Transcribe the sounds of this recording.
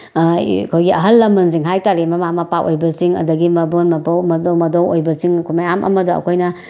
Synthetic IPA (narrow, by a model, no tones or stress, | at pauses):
kʰojɡiɐɦɐlːɐmːɐnziŋɦajtaɾimɐmamɐpawʔojbɐsiŋɐ̰dɐɡimɐbonmɐpɐwmɐdowmɐdowojbɐsiŋkʰumajamʔɐ̰mɐdoɐ̰kʰojnɐ